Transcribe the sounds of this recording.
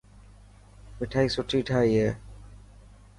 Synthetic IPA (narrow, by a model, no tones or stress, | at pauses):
miʈʰajsoʈʰiʈʰaje